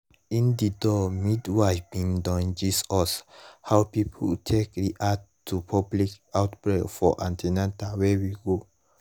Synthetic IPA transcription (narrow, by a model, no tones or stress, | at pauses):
ĩndidɔmidwajbĩŋdɔ̃nd͡ʒisɔshawpipʰṵtʰekdiʔad | tːupʰɔblikawtbɹekfɔʔãntʰenãntawɛwiɡo